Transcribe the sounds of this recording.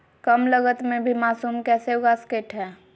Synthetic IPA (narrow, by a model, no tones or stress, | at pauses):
kəmləɡət̪mẽbʱimaːsuːmkɛːseʊɡaːskeːʈɦɛ̃ː